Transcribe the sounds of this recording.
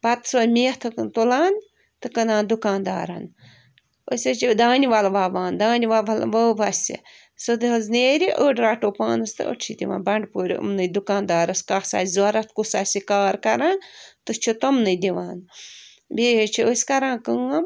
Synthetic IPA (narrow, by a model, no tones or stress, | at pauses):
bɐt̪sɐlʲmeːht̪ʰɨknt̪ulaːn | t̪ɨkɐnaːnd̪ukaːnd̪a̰ːɾɐ̰n | ə̰sʲɐt͡ʃid̪aːnʲiʋalʋaːʋaːnd̪aːnʲiʋabɐlʋɐːbɐsʲḭ | sɨd̪ɨɦɐzneːɾʲiʔəːɖɾaːʈoːpaːnɨst̪ɨ̰o̰t͡ʃʰid̪iʋa̰ːnbɐɳɖpuːɾ̰ʲmnɨd̪ukãːnd̪aːɾɐskasa̰ːzʲzɐɾɐt̪̚ʰkusaːsikaːɾkɐɾant̪ɨt͡ʃʰut̪omnɨd̪iʋaːn | bʲeːɦet͡ʃʰiəsʲkɐɾãːnkəɐm